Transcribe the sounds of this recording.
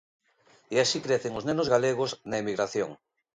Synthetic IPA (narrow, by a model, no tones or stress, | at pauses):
easikɾeθeŋoznẽnozɣaleɣ̞oznɐemiɣɾaθjoŋ